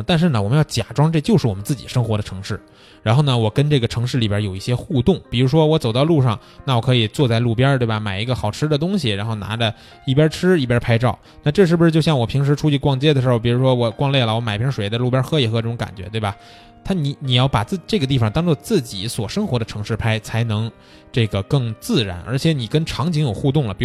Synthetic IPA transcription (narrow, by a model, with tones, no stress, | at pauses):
t̪a˥˧nʂɻ̩˥˩nə˩wɔ˨˩mə˦jɑ˥˩ʊt͡ɕja̰˨˩ʈ͡ʂwɑ˥ŋʈ͡ʂɤ˥˧t͡ɕjo˥˧ʊʂɻ̩˥˩ɔ˨˩mə˦nt͡sɹ̩˥˩t͡ɕḭ˨˩ʂɤ˥ŋxwɔ˧˥ɾə˧ʈ͡ʂʰɤ˧˥ŋʂɻ̩˥˩ | ɻa˧˥nxo˥˩nə˩wɔ˨˩kə˥nʈ͡ʂɤ˥˩ɡə˩ʈ͡ʂʰɤ˧˥ŋʂ̬ɻ̩˥˩li˨˩bjə˧˥jo˨˩ʊi˥˩ɕjɛ˥xu˥˧t̪ʊ˥˩ŋpi˨˩ɻu˧˥ʂ̬wɔ˥wɔ˧˥t͡so˨˩ʊt̪ɑ˥˧ʊlu˥˧ʂɑ˥˧ŋ | na˥˩wɔ˨˩kʰɤ˧˥i˨˩t͡swɔ˥˧t͡sa˥˧ɪlu˥˩pjɑ˥t̪we˥˩bɐ˨˩ma˨˩ɪi˧˥ɡə˧xɑ˨˩ʊʈ͡ʂʰɻ̩˥d̪ə˨t̪̬ʊ˥ŋɕi˨ɻa˧˥nxo˥˩ʊna̰˧˥də˧ | i˥˩pjɑ˥ʈ͡ʂʰɻ̩˥i˥˩pjɑ˥pʰa˥ɪʈ͡ʂɑ˥˩ʊna˥˧ʈ͡ʂɤ˥˧ʂɻ̩˥˩ʂɻ̩˧t͡ɕjo˥˧ʊɕjɑ˥˩ŋwɔ˨˩pʰi˧˥ŋʂ̬ɻ̩˧˥ʈ͡ʂʰu˥t͡ɕʰi˥˧˥kwɑ˥˧ŋt͡ɕjɛ˥d̪ə˩ʂɻ̩˧˥˧pi˨˩ɻu˧˥ʂwɔ˥wɔ˧˩kwɑ˥˧ŋljɛ˥˩lə˩wɔ˧˥m˨˩ɪ˥pʰjɛ˥ʂwe˨˩ɪd̪lu˥˩pjɑ˥xɤ˥i˨˧˩xɤ˧˥ʈ͡ʂɤ˥˩ʈ͡ʂʊ˧˥ŋka̰˨˩nt͡ɕɥɛ̰˧˥t̪we˥˩bɐ˩ | t̪ʰa˥ni˧˥ni˨˩jɑ˥˩ʊpa˨˩t͡sɹ̩˥˩˧ʈ͡ʂɤ˥˩ɡə˩t̪̬i˥˩fɑ˨˩ŋt̪ɑ˥ŋt͡swɔ˥˧t͡sɹ̩˥˩t͡ɕi˨˩˦swɔ˨˩ʂɤ˥ŋxwɔ˧˥d̪ə˧ʈ͡ʂʰɤ˧˥ŋʂɻ̩˥˧pʰa˥ɪt͡sʰa˧˥ɪnɤ˧˥ŋ | ʈ͡ʂɤ˥˩ɡə˩kɤ˥˧ŋt͡sɹ̩˥˩ɻa̰˧˥nʔə˞˧˥t͡ɕʰjɛ˧˥ni˨˩kə˥nʈ͡ʂʰɑ˧˥ŋt͡ɕʰi˧˥ŋjo˨˩ʊxu˥˧t̪̬ʊ˥˩ŋlə˩˨˩